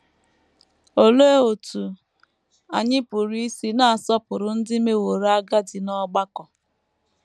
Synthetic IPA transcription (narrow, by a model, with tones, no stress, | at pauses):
o˦le˦e˦o˨tu˨ | a˨ɲɪ˦pʊ˨ɾi˦si˦na˦a˨sɔ˦pʊ˨ɾʊ˨n̩˦dɪ˦me˦wo˨ɾa˦ɡa˦dɪ˨nɔ˦ɡ͡ba˦kɔ˨